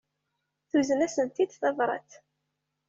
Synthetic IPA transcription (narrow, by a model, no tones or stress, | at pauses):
θuzənæsənt̪id̪θɑðˤɾˤɑ̰t̪